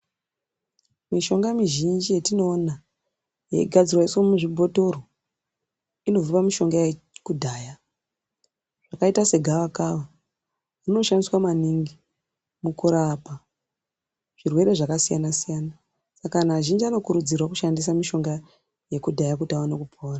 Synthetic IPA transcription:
miʃo̞ŋɡamiʒind͡ʒijetino̞ːna | jḛiɡʱad͡zirwaisomuʐibʱo̞to̞ɾo | ino̞vupamiʃo̞ŋɡaje | kudʱaːja | ʐ̥akaitase̞ɡʱaʋakaʋa | rino̞ʃandiswamaniŋɡi | mukuɾaːpa | ʐ̥irwe̞ɾe̞ʐakasijanasijana | sakanaʒind͡ʒiano̞kuɾud͡zirwakuʃandisamiʃo̞ŋɡa | je̞kudʱajakutaonakupʰoːra

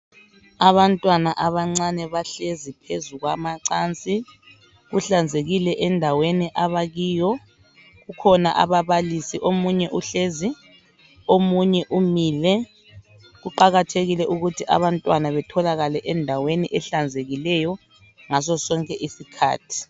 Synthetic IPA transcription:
aβantʼwanaʔaβaŋ͡ǀanɛβaɬezipʰezuɣwamaǀant͡sʼi | ɣuɬand͡zʱeɣilɛʔɛndʱaweniʔaβaɣiːjɔ | ɣukʰɔna̰ʔa̰βaβalisiʔomuɲɛʔuɬezi | omuɲɛʔumiːlɛ | ɣuǃaɣatʰeɣilɛʔuɣutʰiʔa̰βantʼwanaβɛtʰɔlaɣalɛʔɛndʱaweniʔɛɬand͡zʱeɣilɛjɔ | ŋas̬ɔsɔŋkʼɛʔisikʰa̰ːtʰi̥

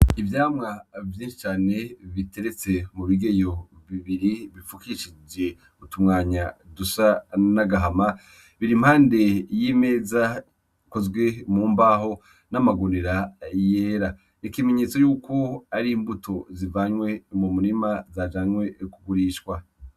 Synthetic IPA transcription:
ivjaːmŋavjiːnʃi̥t͡ʃaːne̞βite̞ɾet͡se̞muβiɡejoβiβiɾiβifukiʃid͡ʒe̞ | utumŋaːɲadusanaɡaɦama | βiɾimhaːnde̞jime̞ːza | kozɡwe̞muːmbaɦo̞ | namaɡoniɾaje̞ːɾa | nikime̞ɲe̞ːt͡so̞juːko̞aɾimbutʰozivaːɲwe̞mumuɾimazad͡ʒaːɲwe̞kuɡuɾiːʃkwa

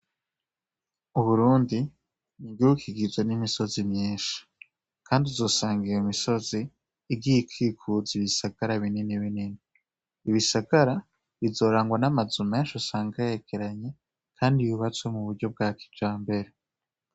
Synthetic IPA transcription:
uβuɾuːndi | niɡiwukʰiɡizwenimiso̞zimɲiːnʃḁ | kʰaːndizo̞ːsaːŋɡiɾeumiso̞ziː | ɡiikʰiːkʰuziβisaɡaɾaβininiβininiː | βisaɡaɾa | βizo̞ɾaːŋɡwanamazume̞ːnʃosaːŋɡajeɡeɾaɲe̞ | kʰaːndijuβat͡swe̞muβuɾɟo̞b̚ɡaːkʰi̥d͡ʒaːmbe̞ɾe̞

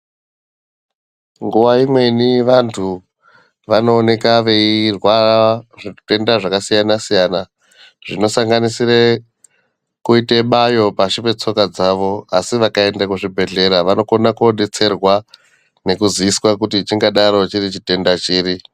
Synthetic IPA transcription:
ŋɡuʋaimwe̞niʋantʰu | ʋano̞ːne̞kaʋe̞irwaʐite̞ndaʐakasijanasijana | ʐ̥ino̞saŋɡanisire | kuiteɓajo̞paʃipe̞t͡so̞kad͡zaʋo̞asiʋakae̞ndakuʐibʱe̞ɮe̞ɾaʋano̞konakuoɗe̞t͡se̞rwa | ne̞kuziiswakutit͡ʃiŋɡaɗaɾo̞t͡ʃirit͡ʃite̞ndat͡ʃiːɾi

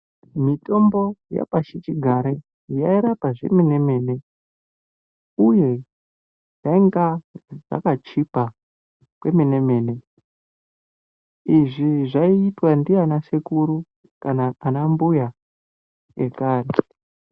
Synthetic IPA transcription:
mito̞mbo̞ja̰paʃit͡ʃiɡʱaɾe | jaiɾapaʐe̞̰mineme̞ne̞ | uje̞ | jaiŋɡaʐa̰kat͡ʃipa | kwe̞mine̞me̞ːne̞ | iʐiʐaiːtwandianasekuɾu | kanaːnambuja | ekaːre

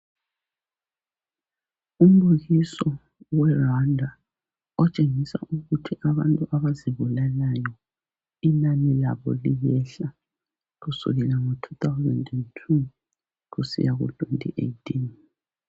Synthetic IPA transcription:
um̩luɣisɔ | wɛrandʱa | ɔt͡ʃʼeŋisa̰ʔuɣutʰiʔaβantʼuʔaβaziβulalajɔ | ilamila̰βɔ̰lijɛɬa | ɣusṵɣɛlaŋotʰu̥t̪awzɛ̰ndɛntʰu | ɣusḭjaɣṵtʰʼwḛntʼḭʔḛitʰin

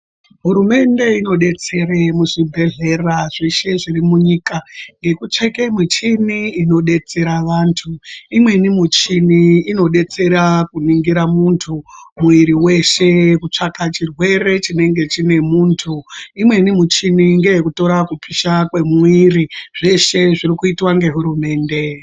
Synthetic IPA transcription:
ɦuɾume̞nde̞ino̞ɗe̞t͡se̞ɾemuʐibʱe̞ɮe̞raʐeʃe̞ʐirimuɲiːkaŋɡe̞kut͡ʂekemit͡ʃiniino̞ɗe̞t͡se̞ɾaʋaːntʰuimwe̞nimut͡ʃiniino̞ɗe̞t͡se̞ɾakuniŋɡiɾamuntʰumuiɾiwe̞ʃe̞kut͡ʂakat͡ʃirwe̞ɾe̞t͡ʃine̞ŋɡe̞t͡ʃine̞muːntʰuimwe̞nimut͡ʃiniŋɡe̞jekuto̞ɾakupʰiʃakwe̞miriʐe̞ʃe̞ʐirikuitwaŋɡe̞ɦuɾume̞ːnde̞

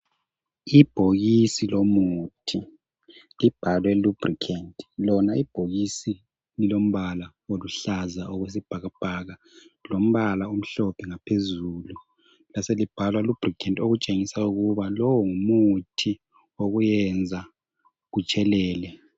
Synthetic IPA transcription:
ib̥ʱoɣisilomutʰi | lib̥ʱalwɛlub̥rikʰantʼlɔnaib̥ʱoɣisi | lilom̩βala | oluɬazaɔɣwes̬ib̥ʱaɣab̥ʱaɣa | lom̩βalaum̩ɬɔpʰɛŋapʰezuːlu | laselib̥ʱalwalub̥rikʰantoɣut͡ʃʼeŋisauɣuβalɔwɔŋumutʰi | oɣujɛnd͡zʱa | ɣut͡ʃʼɛlɛːlɛ

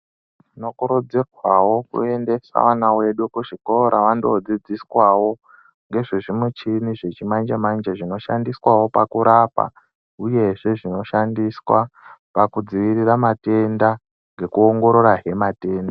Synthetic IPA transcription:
uno̞kuɾod͡zekwawo̞kṵe̞nde̞sa̰ʋanawe̞ɗukuʐiko̞ɾʔaʋandood͡zid͡ziswawo̞ | ŋɡe̞ʐiʐimut͡ʃiniʐe̞t͡ʃimand͡ʒemand͡ʒeʐino̞ʃa̰ndiswawo̞pakuɾapa̰ | uje̞ʐe̞ʐino̞ʃandiswapakud͡ziʋiriramate̞nda | ŋɡe̞kuoŋɡo̞ɾo̞ɾaɦe̞mate̞ːnda

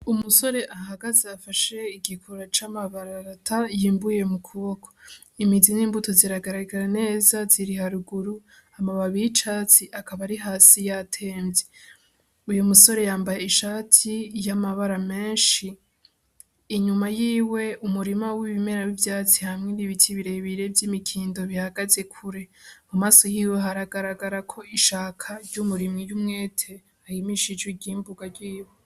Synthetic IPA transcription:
umuso̞ɾe̞ʔaɦaɡazaːfaʃe̞iɡikʰoɾat͡ʃamaβaɾaɾatʰajiːmbuje̞mukʰuβo̞ko̥ | imidiniːmbuto̞ziɾaɡaɾaɡaɾane̞ːzaziɾihaɾuɡuɾu | amaβaβijit͡ʃaːt͡siʔakaβaɾiɦaːsijatʰe̞ːmbje | ujumuso̞ɾe̞jaːmbajeiʃaːtʰijamaβaɾame̞ːnʃi | ɲumajiːwe̞ʔumuɾimawiβime̞ɾawivjaːt͡sihamŋeniβitʰiβiɾe̞βiɾe̞bjimikʰiːndo̞βihaɡaze̞kʰuɾe̞mumaːso̞jiːwe̞ɦaɾaɡaɾaɡaɾakʰo̞iʃaːkʰaɾɟumuɾimŋijumŋe̞ːtʰe̞ | ahimiʃid͡ʒwiɟiːmbuɡaɾɟiːwo

